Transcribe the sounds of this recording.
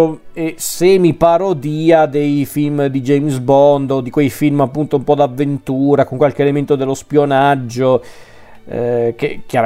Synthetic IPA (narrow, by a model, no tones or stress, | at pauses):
esemipaɾod̪iːad̪ejfilmd̪id͡ʒɛjmsbɔnd̪od̪ikwejfilmapːunt̪oumpɔd̪avːent̪uːɾakoŋkwalkeelement̪od̪elːospjonad͡ʒːo | kekːjaɾ